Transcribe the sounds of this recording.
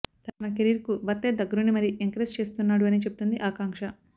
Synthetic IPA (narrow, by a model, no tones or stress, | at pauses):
t̪anɐkeɾiːɾkubɐt̪ːeːd̪ɐɡːɐɾunːimɐɾiʔeŋkɐɾest͡ʃe̞ːst̪unːaːɽuɐniːt͡ʃebu̥t̪und̪iʔaːkaːŋkʂɐ